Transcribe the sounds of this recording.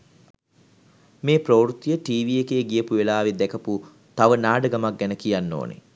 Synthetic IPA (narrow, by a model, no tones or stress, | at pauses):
meːproɾut̪ːijəʈiːʋijekeːɡijəpuʋelaːʋid̪ɛkəpu | t̪aʋənaːɖəɡamak̚ɡɛnəkijanːo̰ːnḛ